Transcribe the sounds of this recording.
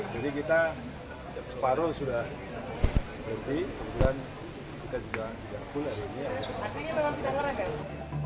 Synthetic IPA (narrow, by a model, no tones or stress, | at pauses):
d͡ʒadikit̪a | sə̥paɾʊsudah | bənt̪ikəbət̪uan | kit̪ad͡ʒuɡat̪iɡa̰fʊlaɾiiniapaaaaɾaa